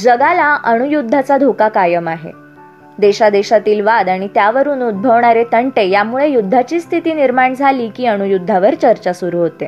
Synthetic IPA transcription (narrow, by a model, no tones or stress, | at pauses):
d͡zəɡalaʔəɽ̃ujud̪ʱːat͡sad̪ʱokakajəmaɦḛ | d̪eɕad̪eɕat̪iːlʋad̪aɽ̃it̪jaʋəɾuːnud̪̚bʱəʋɳaɾet̪əɳʈejamuɭejud̪ʱːat͡ɕiːst̪ʰit̪iːniɾmaɳd͡zʱaliːkiːəɽ̃ujud̪ʱːaʋəɾt͡ɕəɾt͡ɕasuɾuɦot̪e